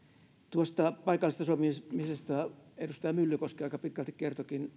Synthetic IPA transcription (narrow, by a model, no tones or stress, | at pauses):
t̪uost̪ɑpɑikɑlːˑst̪ɑsuomimisest̪æedust̪ɑjɑmylːykoskiɑikɑpit̪kælt̪ikkert̪okin